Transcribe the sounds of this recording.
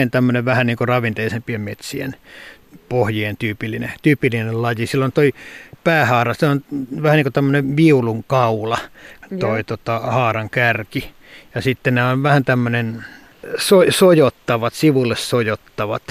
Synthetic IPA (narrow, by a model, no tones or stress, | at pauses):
ent̪æmːøneʋʋæhænniːŋkorɑʋint̪eisempiemmet̪siḛn | pohjient̪yːpilːinḛt̪yːpilːinellɑjisilːont̪oipæːhɑːrɑseonʋæhæniŋkot̪æmːøneʋiuluŋkɑulɑt̪oit̪ot̪ɑhɑːrɑŋkærki | jɑsit̪ːenneonʋæhænt̪æmːønen | sosojot̪ːɑʋɑt̪siʋulːessojot̪ːɑʋɑ̰t̪